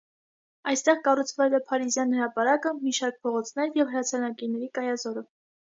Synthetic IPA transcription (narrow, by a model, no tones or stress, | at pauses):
ɑjst̪ɛʁkɑrut͡sʰvɛlɛpʰɑɾizjɑnhəɾɑpɑɾɑkəmiʃɑɾk̚pʰɔʁɔt͡sʰnɛɾjɛvɦəɾɑt͡sʰɑɾnɑkiɾnɛɾikɑjɑzɔɾə